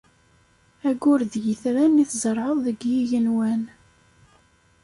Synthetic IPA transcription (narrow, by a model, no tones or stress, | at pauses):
æɡʊɾðjiθɾænːiθzəɾˤʕəðˤðəɡjiʝənwæn